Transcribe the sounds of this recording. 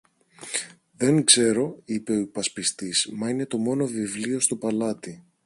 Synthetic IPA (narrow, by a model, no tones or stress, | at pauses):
ðe̞ŋkse̞ɾo̞ipe̞o̞ipɐspist̪ismɐine̞t̪o̞mo̞no̞vivlio̞st̪o̞pɐlɐt̪i